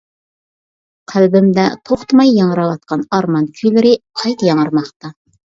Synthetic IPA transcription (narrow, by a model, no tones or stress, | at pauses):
qʰælbɪmd̪æt̪ʰoχt̪mɑjːɑɴɾɑwɑt̪̚qɑnɑɾmɑnkʲʰylɪɾɪqʰɑjt̪jɑɴəɾmɑqt̪ɑ